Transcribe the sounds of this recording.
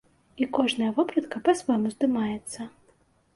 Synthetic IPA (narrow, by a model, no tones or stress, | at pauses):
ikɔʐnɐjɐvɔpɾɐt̪kɐpɐsvamuzd̪ɨmajɛt̪sːɐ